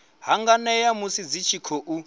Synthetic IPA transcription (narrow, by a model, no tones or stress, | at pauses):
ɦaŋɡanɛjamusid͡zit͡ʃʰikʰɔʔu